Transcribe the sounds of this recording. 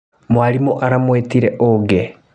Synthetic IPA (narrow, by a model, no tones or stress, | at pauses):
mwalimoʔaɾamweːtiɾeʔoɡe